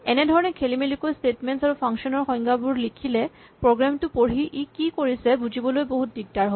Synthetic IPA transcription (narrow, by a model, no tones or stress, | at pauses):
ɛnedʱɔɹɔnɛkʰelimelikostetmentsaɹupʰaŋkʃɔnɔɹxɔj̃ŋɡabuɹlikʰilɛ | pɹoɡɹamtupoɹɦiʔikikoɹisɛbud͡ʑibɔlojboɦut̚biɡ̚taɹɦo